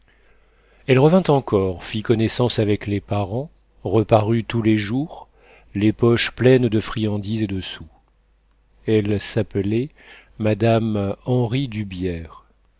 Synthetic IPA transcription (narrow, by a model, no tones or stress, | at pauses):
ɛlʁəvɛ̃t̪ɑ̃kɔʁfikɔnesɑ̃savɛklepaʁɑ̃ | ʁəpaʁyt̪uleʒuːʁ | lepɔʃplɛnd̪əfχijɑ̃d̪ized̪əsu | ɛlsaplɛ | mad̪amɑ̃ʁid̪ybjɛʁ